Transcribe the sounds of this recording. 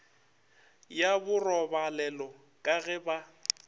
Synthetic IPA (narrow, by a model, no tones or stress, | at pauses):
jabʊrɔbalɛlɔ | kʼaɣɛba